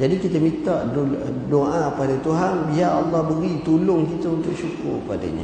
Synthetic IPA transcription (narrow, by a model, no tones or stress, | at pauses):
d͡ʒadikit̪əmĩt̪aʔdo | doʔapadat̪uɦanbiɦaɑlːɑhbəɡit̪ulʊŋkit̪əunt̪ʊʔʃukʊ̰rkəpada̰ɲa̰